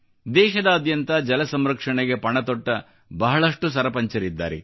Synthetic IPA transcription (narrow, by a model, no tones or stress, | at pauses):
d̪ɛːʃɐd̪ɐːd̪jɐnt̪ɐd͡ʒɐlɐsɐmɾɐkʂɐɳeɡe̞pɐɳɐt̪ɔʈːɐ | bɐɦɐɭɐʂʈusɐɾɐpɐɲt͡ʃɐɾid̪ːa̰ːɾḛ